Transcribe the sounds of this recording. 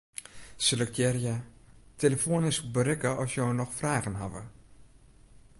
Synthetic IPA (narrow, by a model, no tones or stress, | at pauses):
sələktʰjɛrjateləfoːənɪskbəɾɪkəɔsjownɔxfraːɣənɦavə̰